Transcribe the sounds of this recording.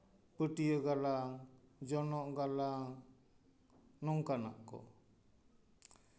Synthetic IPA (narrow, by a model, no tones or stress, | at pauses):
pəʈijəɡalad͡ʒɔnɔʔɡala | nɔŋkana̰ʔkɔ̰